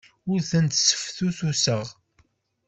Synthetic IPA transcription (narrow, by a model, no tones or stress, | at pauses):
ʊɾθənt̪sə̥fθuθusəʁ